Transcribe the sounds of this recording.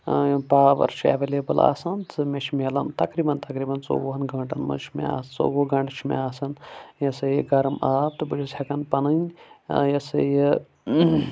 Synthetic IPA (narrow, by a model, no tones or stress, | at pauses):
paːʋɐ̰ɾʃḛːʋeleːbɨla̰ːsɐnt͡sɨmʲeʃʰmelɐnt̪ɐkɾiːbɐnt̪ɐkɾiːbɐnt͡so̰wɦɐnɡɐɳʈɐnmɐ̰t͡ʃʰmḛa̰ːst͡so̰ːwoɡɐɳʈt͡ʃʰimḛaːsɐnjɐsɨjiɡɐɾɐmaːp̚t̪ɨbɨlisʲɐkɐnpɐnɐnʲjɐsɐji